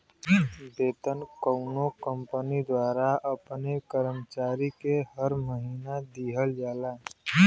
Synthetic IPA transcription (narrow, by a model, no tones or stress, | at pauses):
beːt̪ənkəʊnokə̃mpənid̪waːɾaəpnekəɾəmt͡ʃaːɾikeɦəɾməɦiːnad̪iːɦəld͡ʒaːlaː